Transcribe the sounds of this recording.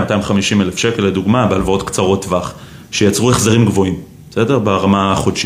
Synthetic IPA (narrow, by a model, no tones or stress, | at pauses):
matajimχamiʃimelefʃeke̞leduɡmabealvao̞tkt͡saʁo̞tvaχ | ʃejat͡sʁueχzaʁimɡvo̞imbe̥se̞de̞ʁbaʁamaaχodʃi